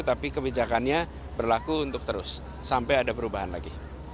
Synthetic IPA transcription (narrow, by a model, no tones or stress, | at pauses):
t̪apikəbid͡ʒakanɲa | bərlakuːnt̪ʊk̚t̪əɾʊsː | ampajadapəɾubaɦanla̰ɡi